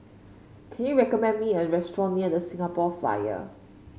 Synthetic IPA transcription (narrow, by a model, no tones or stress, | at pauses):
kʰɛ̃njuɹɛkɔmɛ̃nmiɛ̃nɹɛstɹɔ̃nmiɛnəsɪ̃ŋapɔfa̰jə̰